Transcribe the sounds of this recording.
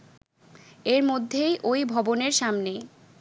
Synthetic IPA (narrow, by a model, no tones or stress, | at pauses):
eɾmod̪ʱːejʔojbʱɔboneɾʃamne